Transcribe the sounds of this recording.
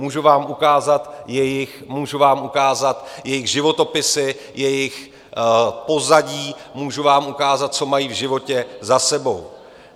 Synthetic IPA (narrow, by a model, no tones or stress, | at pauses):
muːʒuvaːmukaːzat̪jɛjɪxmuːʒuvaːmukaːzat̪jɛjɪɣʒɪvo̞t̪o̞pɪsɪ | jɛjɪx | po̞zaɟiːmuːʒuvaːmʔukaːzat̪̚t͡so̞majivʒɪvo̞cɛzasɛbo̞w